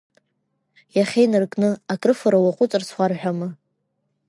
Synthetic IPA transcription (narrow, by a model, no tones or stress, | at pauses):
jaχʲejnɨrkʼnɨakʼrɨfaɾawaqʷʼʊt͡sʼɨrsχʷarħʷᶣamɨ